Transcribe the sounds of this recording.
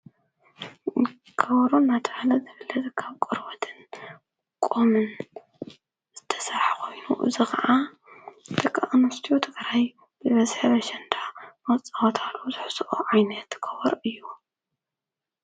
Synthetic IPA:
kʰːɐβɾunːat̪ʰɐʕalɐzɨβɨlːɐzkʰaβkʼɨɾwot̪ʰɨn | kʼomɨn | z̥ɨt̪ʰɐ̥saħkʰo̞jnṵʔɨ̰zixʰɐʕa | t̪ʰɐkʼaʔnust̪ʰijut̪ʰɨɡɾaj | b̥ɨβɐzħɐβɐʃɐnd̪ʰamɐt͡sʼawot̪ʰalːozɨħsʔoʕajnɐt̪kʰɐβɔɾʔɨjːu

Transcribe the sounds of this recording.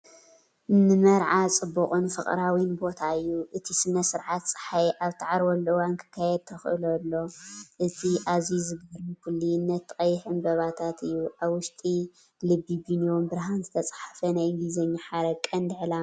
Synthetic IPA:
nɨmɐɾʕat͡sʼɨbːuχʼɨnfɨχʼɾawinbo̞t̪ʰaɨjːuʔɨt̪ʰisɨnɐsɨɾʕat̪sʼɨ̥ħajʔaβt̪ʰɨʕaɾwolːɨwankʰɨ̥kʰːajɛd̪̚t̪ʰɐxʔɨ̰lɐlːo̞ʔɨt̪ʰiʔazizɨɡɐɾmikʰɨlːiɨnːɐt̪ːɨkʼɐjːɪħɨnbɐβat̪ʰat̪ɨjːuʔaβwʊʃt̪ʼi | lɨbibinijombɨɾɦanzɨt̪ʰɐt͡sʼḁħafɐnajɡizɐɲːaħaɾɐkʼːɐnd̪ʕla

